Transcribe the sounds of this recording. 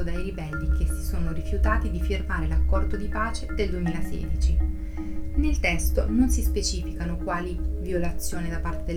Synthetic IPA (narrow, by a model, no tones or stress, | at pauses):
od̪ajɾibɛlːikʰesi̥soːnoɾifjut̪aːt̪id̪ifirmaːɾelakːɔrd̪od̪ipaːt͡ʃed̪eld̪uemiːlasḛːd̪it͡ʃi | nelt̪ɛst̪o̰nonsispet͡ʃiːfikanokwaːlivjolat̪sːjoːnid̪apːart̪ed̪e